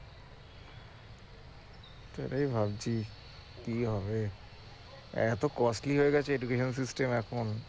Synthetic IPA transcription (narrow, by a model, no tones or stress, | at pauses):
t̪oḛʈaibʱabt͡ɕʰi | kiɦɔbe | ɛt̪okɔsʈliɦoeɡɛt͡ɕʰeed͡ʑukeʃons̬isʈemɛkʰon